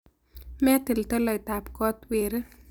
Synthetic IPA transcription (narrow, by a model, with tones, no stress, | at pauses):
mɛ˦t̪e˨lt̪ɔ˦lɔ˨ɪt̪a˨pkɔ˦t̪weɾ